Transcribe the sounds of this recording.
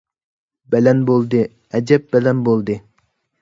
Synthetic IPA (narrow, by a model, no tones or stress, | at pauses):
bɛlɛnbolˠd̪ɨ | ɛd͡ʒɛp̚bɛlɛnbolˠd̪ɨ